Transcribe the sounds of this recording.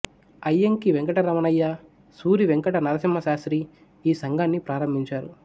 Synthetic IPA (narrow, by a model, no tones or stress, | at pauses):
ɐjːɐŋkiʋeŋkɐʈɐɾɐmɐnɐjːɐ | suːɾiʋeŋkɐʈɐnɐɾɐsimːɐʃaːsɾi | iːsɐŋɡaːnːipɾaːɾɐmbʱiɲt͡ʃaːɾu